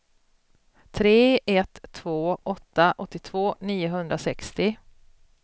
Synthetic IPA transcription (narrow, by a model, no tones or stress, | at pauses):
t̪ʰɾeːɛt̪ʰːvoːʔɔt̪ːaʔɔt̪ːɪt̪ʰv̥oːniːʊɦɵnd̪ɾasɛkst̪ɪ